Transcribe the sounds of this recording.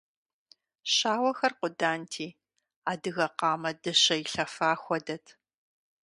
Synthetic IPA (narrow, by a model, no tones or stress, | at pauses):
ɕaːwɐxɐrqʷʊdaːntʰiː | aːdɨɣɐqɑːmɐdɨɕɐjiɬɐfaːxʷɔdɐtʰ